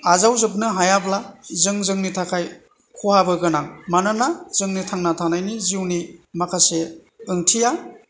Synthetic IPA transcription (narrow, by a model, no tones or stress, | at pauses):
azawzɯp̬̚nɯɦajablazɯŋzɯŋnitʰakʰaj | kʰuhabɯɡɯnaŋmanɯnazɯŋnitʰaŋnatʰanajniziwnimakʰase | ɯŋtʰija